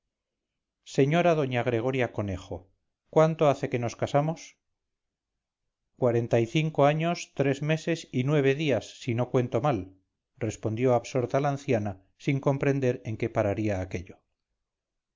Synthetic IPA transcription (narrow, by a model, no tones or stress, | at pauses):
se̞ɲo̞ɾaðo̞ɲaɣ̞ɾe̞ɣ̞o̞ɾjako̞ne̞χo̞ | kwant̪o̞aθe̞ke̞no̞skasamo̞s | kwaɾe̞nt̪aiθiŋko̞aɲo̞st̪ɾe̞zme̞se̞sinwe̞β̞e̞ðiasːino̞kwe̞nt̪o̞mal | re̞spo̞nd̪jo̞aβso̞ɾt̪alaːnθjana | siŋko̞mpɾe̞nd̪e̞ɾe̞ŋke̞paɾaɾiaːke̞ʎo̞